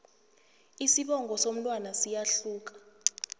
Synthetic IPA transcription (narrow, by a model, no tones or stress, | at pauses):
isiɓɔŋɡʱɔsom̩tʼwanasijaɬuːk̬ʼḁ